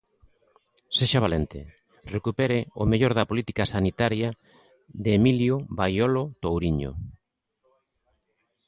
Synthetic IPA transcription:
seʃaβ̞alent̪ɪ̰ | rekupeɾɪomeʎoɾðɐpolit̪ikasanit̪aɾja | ðemiljoβajolot̪owɾiɲo̰

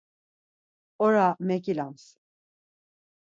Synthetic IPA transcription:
oɾamecilʲans

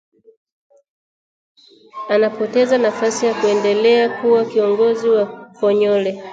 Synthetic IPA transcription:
anapɔtɛzanafasijakuɛndɛlɛakuwakiɔŋɡɔziwakɔɲɔlɛ

